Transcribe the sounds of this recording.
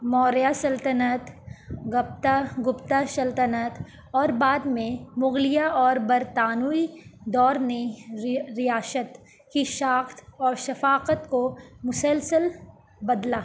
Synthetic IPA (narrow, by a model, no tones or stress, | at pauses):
mɔːɾjasɐlt̪ənət̪ɣɐp̚t̪aɡʊpt̪aʃɐlt̪ənət̪ | ɔːɾbaːd̪mẽmʊɣlɪjaɔːɾbɐɾt̪aːnuid̪ɔːɾnẽ | ɾɪjaːsət̪ | kiʃaːxt̪ɔːɾʃɐfaːqət̪komʊsəlsəl | bɐd̪laː